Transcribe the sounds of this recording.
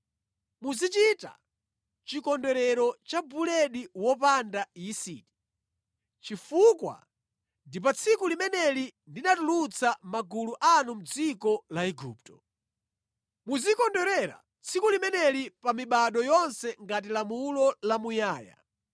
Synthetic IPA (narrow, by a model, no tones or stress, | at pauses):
muzit͡ʃita̰ | t͡ʃikɔndɛɾɛɾɔt͡ʃabulɛɗiwɔpandajisiti̥ | t͡ʃifukwa̰ | ndip̬at͡sʰikulimɛnɛlindinatulut͡sʰamaɡuluʔanum̩d͡zikɔlaɛɡṵːp̚tɔ | muzikɔndɛɾɛɾa̰ | t͡sʰikulimɛnɛlipamiɓaɗɔjɔnsɛŋɡat̬ilamulɔlamujaːja̰